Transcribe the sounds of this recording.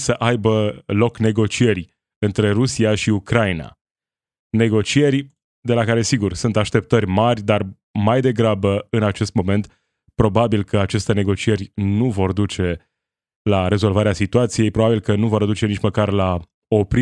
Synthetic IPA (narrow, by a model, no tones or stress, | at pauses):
səʔajbəlo̞kne̞ɡo̞t͡ʃije̞rʲ | ɨnt̪ɾe̞ɾusiaʃiukɾaina̰ | ne̞ɡo̞t͡ʃije̞rʲ | d̪e̞lakaɾe̞siɡursunt̪aʃt̪e̞p̚t̪ərʲmarʲd̪ar | majd̪e̞ɡɾabəɨnat͡ʃe̞st̪mo̞me̞nt̪ | pɾo̞babilkəat͡ʃe̞st̪ene̞ɡo̞t͡ʃie̞rʲnuvo̞rd̪ut͡ʃe̞ | laɾe̞zo̞lvaɾeasit̪uat̪sije̞jpɾo̞babilkənuvo̞rd̪ut͡ʃe̞nit͡ʃməkarla | o̞pɾ